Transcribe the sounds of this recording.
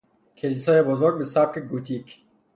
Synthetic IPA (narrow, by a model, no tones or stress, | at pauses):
kʰelisɔjebɔzoɾɡ̚besaːp̚keɡut̪ʰiːk